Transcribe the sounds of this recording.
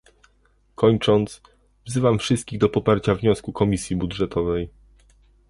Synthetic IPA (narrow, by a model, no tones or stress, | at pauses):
kʰɔɲt͡ʂɔnt̪s | vzɘvamfʂɘst̪̚kʲiɣd̪ɔpɔpaɾt͡ɕavɲɔskukɔmʲisʲjibudʐɛt̪ʰɔvɛj